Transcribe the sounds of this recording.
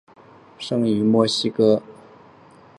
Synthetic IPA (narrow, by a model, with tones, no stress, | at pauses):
ʂɤ˥ŋi˨˩˦mwɔ˥˩ɕi˥kɤ˥